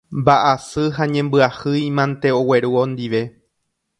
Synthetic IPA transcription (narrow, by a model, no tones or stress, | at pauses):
mbaʔasɨɦaɲẽ̞mbɨahɨjimãnt̪e̞o̞we̞ɾuõnd̪iʋe̞